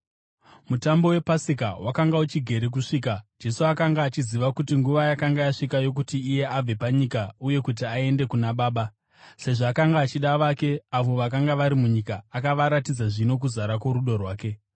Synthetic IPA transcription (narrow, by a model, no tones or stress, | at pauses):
mutambo̞we̞pasikawʔakaŋɡaut͡ʃiɡʱe̞ɾek̬uʂiːkḁd͡ʒe̞suakaŋɡaːt͡ʃiziʋakutiŋɡuʋajakaŋɡajaʂikajo̞k̬utiːje̞ab͡ve̞paɲikauje̞kut̬iae̞nde̞kunaɓaːɓa | se̞ʐaːkaŋɡaːt͡ʃiɗaʋake̞aʋo̞ʋakaŋɡaʋaɾimuɲikaːkaʋaɾatid͡zaʐino̞k̬uzaɾako̞ɾuɗo̞rwaːke̞